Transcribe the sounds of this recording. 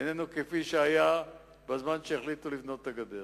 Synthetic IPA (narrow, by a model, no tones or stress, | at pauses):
enenukefiʃeaja | bazmanʃeːχlit̪ulivno̞t̚ːaɡad̪eʁ